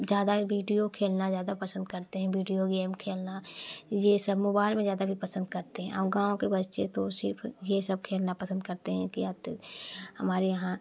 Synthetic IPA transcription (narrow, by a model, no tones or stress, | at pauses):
zjaːd̪aʋiːɖijokʰeːlnazjaːd̪apɐsə̃nd̪kɐɾt̪eɦɛ̃ʋiːɖijoɡeːmkʰeːlnajesɐbmoːbaːɪlmẽzjaːd̪abʱipɐsə̃nd̪kɐɾt̪eɦɛ̃ʔɔːɾɡãːõkebɐtːʃet̪osɪɾfʰjesɐb̚kʰeːlnapɐsə̃nd̪̚kɐɾt̪eɦɛ̃kiat̪ | hɐmaːɾijɐɦã